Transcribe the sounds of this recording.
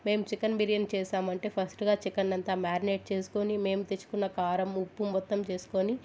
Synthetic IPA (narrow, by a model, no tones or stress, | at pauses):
me̞ːmut͡ʃikɐnbiɾijɐnt͡ʃɛːʃaːmɐɳʈe̞ːpʰɐsʈɡaːt͡ʃikɐnːɐnt̪aːmaːɾneːʈ̚t͡ʃe̞ːsu̥ko̞ːnime̞ːmut̪et͡ʃːu̥kunːɐkaːɾɐmupːumʋɐt̪ːɐmt͡ʃe̞ːsu̥ko̞ːni